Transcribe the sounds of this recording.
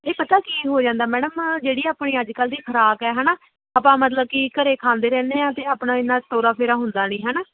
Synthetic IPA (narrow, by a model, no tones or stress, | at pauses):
eːpət̪aːkiːɦoːd͡ʒãːnd̪aːmɛːɽəmd͡ʒeːɽiːaːpɳ̃iːəd͡ʒkəld̪iːkʰəɾaːkɛːɦɛnaː | aːpãːmət̪ləb̚kikəɾeːkʰãːnd̪eːɾɛ̃ːnd̪ẽːt̪eːaːpnãːɪnːãːt̪oːɾaːpʰeːɾaːɦʊnd̪aːnĩːɦɛːnaː